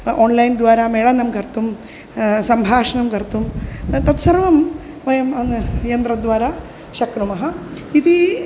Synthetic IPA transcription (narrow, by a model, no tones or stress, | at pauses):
oːnlɐjnd̪ʋaːɾameɭɐnɐmɡɐɾt̪um | sɐmbʱaːʂɐɳɐmɡɐɾt̪umt̪ɐt̪sɐɾʋɐm | ʋɐjɐmɐjɐnd̪ɾɐd̪ʋaːɾa | ʃɐknumɐɦɐit̪i